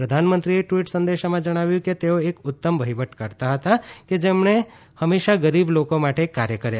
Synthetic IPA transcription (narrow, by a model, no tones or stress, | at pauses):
pɾəd̪ʱaːnmə̃nt̪ɾieʈʋiːʈsə̃nd̪eːʃamãd͡ʒɐɽ̃aːʋjũket̪eoeːkʊt̪ːəmbʱɐɦɪʋəʈkɐɾt̪aɦɐt̪aked͡ʒemɳ̃e | hɐmeːʃaɡɐɾiːbloːkõmaːʈʰekaːɾjəkəɾe